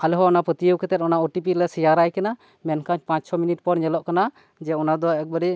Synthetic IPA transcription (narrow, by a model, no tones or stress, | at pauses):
alɦɔɔnapət̪ijəwkʰɛt̪ɛt̪̚ɔnaɔʈipilɛsijaɾajkana | mɛnkãt͡ʃpãt͡ʃsʰɔminiʈ̚pɔɽɲɛlɔʔkana | d͡ʒɛɔnad̪ɔɛk̚bəɾɛ